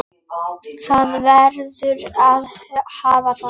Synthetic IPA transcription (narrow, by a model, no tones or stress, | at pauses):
θaðvɛɾðʏɾaðhaːvaθa